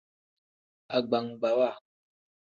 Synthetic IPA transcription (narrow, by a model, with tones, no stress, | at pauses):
a˨ɡ͡ba˨ŋɡ͡ba˨wa˦˨